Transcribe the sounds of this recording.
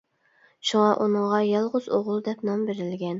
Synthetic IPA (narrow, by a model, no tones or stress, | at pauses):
ʃuŋɑʔunɨŋʁɑjɑlˠʁʊz̥oʁʊlˠd̪ɛpnɑmbeɾɪlɡʲɛn